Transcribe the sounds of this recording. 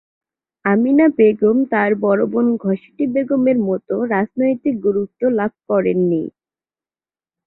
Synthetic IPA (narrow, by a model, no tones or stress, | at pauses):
aminabeɡomt̪aɾbɔɾobonɡʱɔʃi̥ʈibeɡomeɾmɔt̪oɾad͡ʑnojt̪ik̚ɡuɾut̪ːolab̚ʱkɔɾenːḭ